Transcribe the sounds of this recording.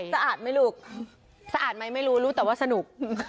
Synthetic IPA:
sa˧ʔaː˨˩t̪̚ma˥˩jluː˨˩k̚ | sa˧ʔaː˨˩t̪̚ma˦˥jma˥˩jɾuː˦˥ɾuː˦˥t̪ɛː˨˩waː˥˩sa˧nu˨˩k̚

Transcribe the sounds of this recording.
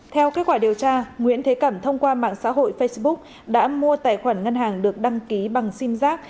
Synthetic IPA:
t̪ʰɛ˧wke˦˥t̚kwaː˧˩i˨˩əwt͡ɕaː˧ŋwḭ˧˥ənt̪ʰe˨˦kə˧˩mt̪ʰə˧wŋ͡mkwaː˧ma̰ː˧˨ŋsa̰ː˧˥ɦo̰˧˨jfə˧jsɓʊ˦˥k̚ | ɗa̰ː˧˥mu˧ət̪a̰ː˧˨jxwaː˧˩nŋə˧nɦaː˨˩ŋɗɨ˨˩ək̚ɗa˧ŋki˨˦ɓa˨˩ŋsi˧mzaː˦˥k̚

